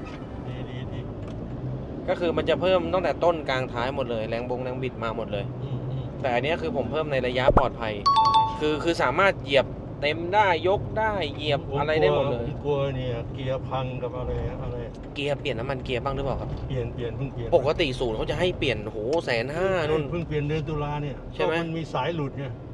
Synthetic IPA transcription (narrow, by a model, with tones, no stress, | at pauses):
diː˧diː˧diː˧ | kɔː˥˩kʰɯː˧ma˧nt͡ɕa˨˩pʰɤː˥˩mt̪ɔː˥˩ŋt̪ɛː˨˩t̪o˥˩nkaː˧ŋt̪ʰaː˦˥jmo˨˩t̪̚lɤː˧jlɛː˧˩ŋbo˧ŋlɛː˧ŋbi˨˩t̪̚maː˧mo˨˩t̪̚lɤː˧jt̪ɛː˨˩ʔa˧nːi˦˥ɐkʰɯː˧pʰo˩˦mpʰɤː˥˩mna˧jɾla˧ja˦˥ʔpɔː˨˩t̪̚pʰa˧jkʰɯː˧kʰɯː˧saː˩˦maː˥˩t̪̚ji˨˩əp̚ | t̪e˧mdaː˥˩jːo˦˥k̚daː˥˩jːi˨˩əp̚a˧ɾa˧jdaː˥˩mo˨˩t̪̚lɤː˧jku˧ɐni˥˩ɐki˧ɐpʰa˧ŋka˨˩m̚ʔa˧ɾa˧ja˨˧˩ʔa˧ɾa˧jki˧ɐpli˨˩ənːa˦˥mːa˧nki˧ɐpʰa˧˥˩ŋɾɯ˦˥paː˨˩kʰp̚pli˨˩ənpli˨˩ənpʰɯ˥˩ŋpi˨˩əpo˨˩kːa˧t̪i˨˩suː˨˩˦nkʰa˦˥wt͡ɕa˨˩ɦa˥˩jpli˨˩ənhoː˩˦sɛː˩˦nɦaː˥˩nu˥˩˨npʰɯ˥˩ŋpli˨˩əndɯ˧nt̪u˧laː˧ni˥˩ɐt͡ɕʰa˥˩jma˦ja˧nmiː˧saː˩˦jlu˨˩t̪̚ɲa˧˩